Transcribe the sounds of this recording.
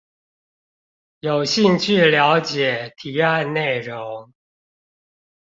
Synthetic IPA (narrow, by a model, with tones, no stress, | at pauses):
jo˨˩ʊɕi˥˧ŋt͡ɕʰy˥˩ljɑ˧˥ʊt͡ɕjɛ˨˩t̪ʰi˨˥a˥˧nne˥˩ɪɻo˨˧˦ŋ